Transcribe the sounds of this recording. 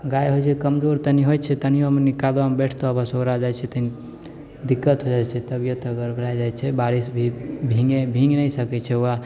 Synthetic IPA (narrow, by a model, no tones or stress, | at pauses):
ɡajɦojt͡ʃʰɛkəmd͡ʒoɾt̪əniɦojt͡ʃʰɛt̪ənijomenikad̪wamebɛʈʰt̪oəbasoɾad͡ʒat͡ʃʰɛt̪əni | d̪ikːət̪ɦod͡ʒajt͡ʃʰɛt̪əbijot̪əɡəɾbʱəɾajd͡ʒajt͡ʃʰɛbaɾisbʱibʱĩŋɡebʱĩŋɡnəjsəkɛt͡ʃʰɛua